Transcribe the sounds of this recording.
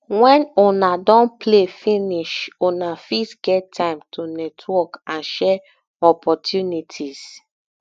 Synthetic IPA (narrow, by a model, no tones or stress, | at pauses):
wɛ̃nonadɔ̃nplefiniʃonafisɡɛtʰːãɪ̃mtʰonɛtʰwɔkãnʃɛ | ɔpʰɔtʰjunitʰiz